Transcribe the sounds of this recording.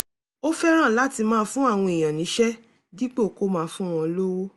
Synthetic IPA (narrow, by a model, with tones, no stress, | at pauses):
o˦fɛ˦ɾ̃ã˦˨la˦ti˧mãː˦˧fũ˦a˦˨w̃ɔ̃˧i˨j̃ã˨nĩ˨˦ʃɛ˦ | di˦k͡po˦˨ko˦mãː˦˧fũ˦w̃ɔ̃˧lo˦wo˦